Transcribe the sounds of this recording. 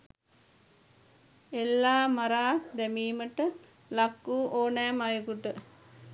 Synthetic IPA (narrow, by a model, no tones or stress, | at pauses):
elːaːmaɾaːsd̪ɛmiːməʈə | lakːuːʔoːnæːmajukuʈə